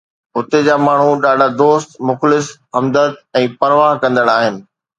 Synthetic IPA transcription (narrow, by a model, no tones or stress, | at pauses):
ɦʊt̪ed͡ʑaːmaːɳ̤uɗaːɖʱad̪oːst̪mʊxlɪsɦɐmd̪ət̪ɛ̃ːpɐɾʋaːɦkɐ̃nd̪əɽ̃aːɦɪnɪ̆